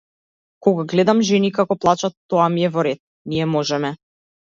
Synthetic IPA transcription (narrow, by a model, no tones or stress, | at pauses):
kɔɡaɡlɛd̪amʒɛnikakɔplˠat͡ʃat̪ːɔamiɛvɔɾɛt̪̚ | niɛmɔʒɛmɛ